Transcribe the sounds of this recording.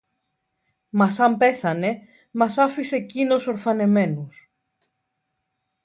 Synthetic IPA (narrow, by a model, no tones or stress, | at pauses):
mɐsɐmpe̞θɐne̞ | mɐsɐfise̞cino̞so̞ɾfɐne̞me̞nus